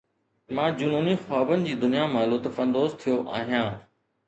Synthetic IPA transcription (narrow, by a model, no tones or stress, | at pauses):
mãːd͡ʑʊnuːnixaːbənɪ̆d͡ʑiːd̪ʊnijamãloːt̪ɐfə̃nd̪oːzt̪ʰijoʔa̰ːɦijãː